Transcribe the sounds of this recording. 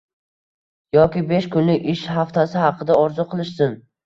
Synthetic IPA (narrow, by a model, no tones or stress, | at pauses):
jɒkʲɪbeʃkʰʊnlɪɪʃhaft̪ʰasɪhɑqʰɨd̪aɒɾzʊqʰɨlˠɪʃsɪn